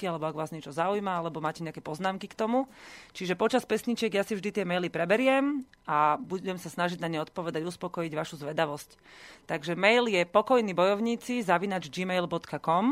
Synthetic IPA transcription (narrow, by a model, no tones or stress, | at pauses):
kialɛbɔaɡʋaːzɲɛt͡ʃɔzaujmaalɛbɔmaːcɛɲɛakɛpɔznaːmkikt̪ɔmut͡ʃiʒɛpɔt͡ʃaspɛsɲit͡ʃɪɛɡjasivʒd̪it̪ɪɛmɛjlipɾɛbɛɾɪɛm | abuɛmsasnaʒiɟnaɲɛɔt̪̚pɔʋɛd̪aɟuspɔkɔjiɟʋaʃuzʋɛd̪aʋɔsc | t̪aɡʒɛmɛjljɛpɔkɔjniːbɔjɔʊɲiːt͡sizaʋinad͡ʒd͡ʒimɛjlbɔt̪kakɔm